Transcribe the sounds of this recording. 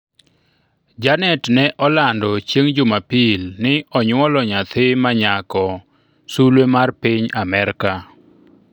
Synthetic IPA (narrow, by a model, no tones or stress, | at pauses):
d͡ʒanɛtnɛʔɔlandɔt͡ʃjeŋd͡ʒʊmapilnɪɔɲwɔlɔɲat̪ʰɪmaɲakɔ | sulwemarpɪɲamɛɾka